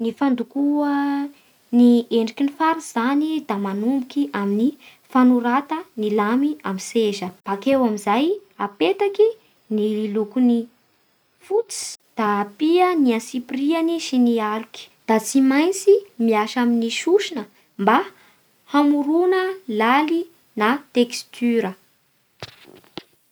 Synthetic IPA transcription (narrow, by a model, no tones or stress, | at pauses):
nifand̪ukuə | nieɳɖ͡ʐikinifaɾiz̥anid̪amanumbukiʔamini | fanuɾat̪ənilamiamiseʒəb̥akewamizajapet̪aki | nililukuni | fut͡si̥d̪̥aːpiəniãsiprianiʃiniaɾiki̥d̪̥at͡simajnt͡simiaʃaminiʃuʃinə | mba | hamuɾunəlali | nat̪ekst̪ʰyɾə